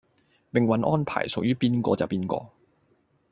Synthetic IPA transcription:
pɪ˨ŋwɐ˨˧˦nʔɔː˥npʰa̰ː˨˩jsʊ˨k̚jyː˥piː˥nkʷɔ̰ː˧t͡sɐ̰˨wpiː˥nkɔ̰ː˧

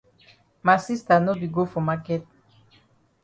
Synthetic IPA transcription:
ma˨si˦st̪a˨no˦bi˨ɡo˦fo˨ma˦ke˦t̪̚

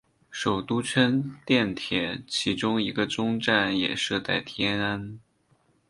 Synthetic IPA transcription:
ʂo˨˩ʊt̪u˥t͡sʰə˥nt̪jɛ˥˩nt̪ʰjɛ˨˩nt͡ɕʰi˧˥ʈ͡ʂʊ˥ŋi˧˥ɡə˧ʈ͡ʂʊ˥ŋʈ͡ʂa˥˩njɛ̰˨˩ʂɤ˥˧t̪a˥˩ɪt̪ʰjɛ˥na˥n

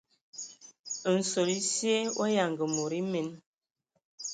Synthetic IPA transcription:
n̩˨so˨li˦sje˦wʔa˦ja˨ŋɡə˨mo˨ɾi˦me˨˦n

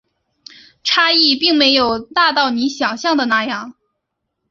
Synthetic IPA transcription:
ʈ͡ʂʰa˥i˥˧pi˥˩ŋme˧˥ɪjo˨˩ʊt̪a˥˧t̪ɑ˥˩ʊni˧˥ɕjɑ˨˩ŋɕjɑ˥˩ŋd̪ə˩na˥˩jɑ˥˩ŋ

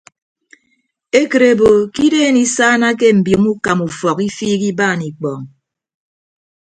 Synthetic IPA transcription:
e˦kɨ˨ɾe˨bo˨ki˦deː˦˨ni˨saː˦na˦ke˦m̩˨bjo˨mu˦ka˨mu˨fɔ˨ki˦fiː˦ki˦baː˦˨ni˨k͡pɔ˨ŋ

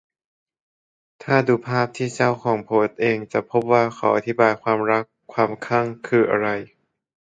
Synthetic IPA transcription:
t̪ʰaː˥˩duː˧pʰaː˥˩p̚t̪ʰiː˥˩t͡ɕa˥˩wkʰɔː˩˦ŋpʰoː˨˦t̪̚ʔeː˧ŋt͡ɕa˨˩pʰo˦˥p̚waː˥˩kʰaː˩wʔa˧t̪ʰi˦˥baː˧jkʰwaː˧mɾa˦˥kʰːwaː˧mkʰa˥˩ŋkʰɯː˧ʔa̰˧ɾa˧j

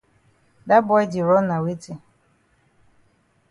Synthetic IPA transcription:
da˦bɔ˨˦jdɪ˨ɾɔ˦na˨we˦te˦

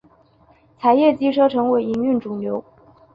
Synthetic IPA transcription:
t͡sʰa˧˥ɪjɛ˥˩t͡ɕi˥ʈ͡ʂʰɤ˥ʈ͡ʂʰɤ˧˥ŋwe˧˥ɪi˧˥ŋy˥˩nʈ͡ʂu˨˩ŋnjo˧˥ʊ

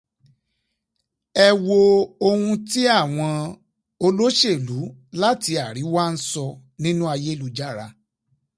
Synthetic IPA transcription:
ɛ˧wo˧o˧hũ˧ti˦a˦˨w̃ɔ̃˧ | o˧lo˦ʃe˦˨lu˨˦la˦ti˧a˨ɾi˨˦wa˦n̩˦sɔ˧ | nĩ˦nũ˦a˧je˦lu˨˦d͡ʒa˦˨ɾa̰˧

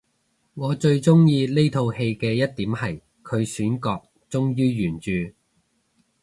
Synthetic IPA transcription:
ŋɔː˨˧t͡ʃɵ˧ɥt͡sʊ˥ŋjiː˧le˥jt̪ʰo˧whe˧jkɛː˧jɐ˥t̚t̪iː˨˥mhɐ˨j | kʰɵ˨˧ɥsyː˨˥nkɔː˧k̚ | t͡sʊ˥ŋjyː˥jyː˨˩nt͡ʃyː˨

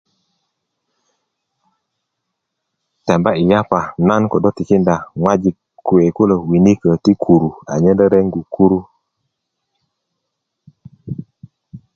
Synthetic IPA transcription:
tɛ˨mba˦i˨ja˦pa˨na˦n˦kɔ˨dɔ˦ti˨ki˦nda˨ŋwa˦d͡ʒi˨ | ku˨e˨ku˦lə˨wi˨ni˦kə˨ti˦kʰu˨ɾu˨a˨ɲe˦ndə˦ɾɛ˦ŋɡu˨ku˦ɾu˦

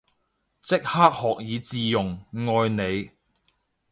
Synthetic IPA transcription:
t͡sɪ˥k̚haː˥k̚hɔː˨k̚jiː˨˧t͡siː˧jʊ˨˩ŋŋɔː˧jne˨˧j

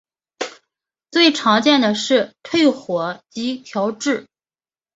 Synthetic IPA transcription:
t͡swe˥˩ɪʈ͡ʂʰɑ˧˥ŋt͡ɕjɛ˥˩nd̪ə˩ʂɻ̩˥˧t̪ʰwe˥˩ɪxwɔ˧˥˦t͡ɕi˧˥t̪ʰjɑ˧˥ʊʈ͡ʂɻ̩˥˩

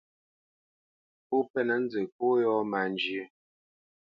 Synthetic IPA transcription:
po˦pɛ˦nɛ˨n̩˦d͡ze˨k̚o˦jɔ˦ma˨nd͡ʒi˨e˦

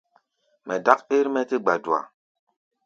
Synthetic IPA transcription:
mɛ˨da˦ke˦ɾmɛ˦ti˦ɡ͡ba˨du˨a̰˨

